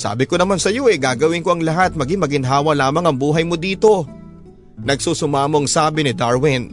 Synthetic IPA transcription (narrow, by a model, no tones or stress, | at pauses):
sa̰ːbɪko̞nɐmansɐjo̞ʔɛɡaːɡɐwɪŋkoʔɐŋlɐɦat̪̚mɐɡɪŋmɐɡɪŋɦaːwɐlaːmɐŋɐŋbuːɦɐjmo̞d̪iːt̪o̞ | nɐɡ̚suːsʊmaːmoɐŋsaːbɪnɪd̪aɹwɪn